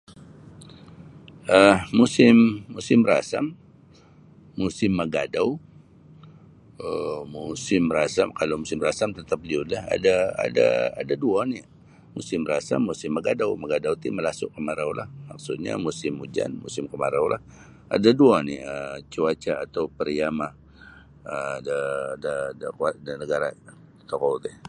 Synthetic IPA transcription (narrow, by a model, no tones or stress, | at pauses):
ʔəhmusɪmːusɪmra̰sam | usɪmːəɡadaw | əmusɪmɾasamkalawmusɪmrasamt̪ət̪ap̚liʊt̪laha̰daa̰da̰ːdaduanɪ | musɪmrasa̰mːusɪmːaɡadawmaɡadawt̪iməlasʊʔkəmaɾawlahmak̚sʊt̪̚ɲa̰musɪmud͡ʒa̰nmusɪmkəmaɾawlah | a̰daduaniət͡ʃuat͡ʃaːt̪awpəɾiama | ədadadəkuat̪̚dənəɡaɾa | t̪ɔkɔt̪ɛh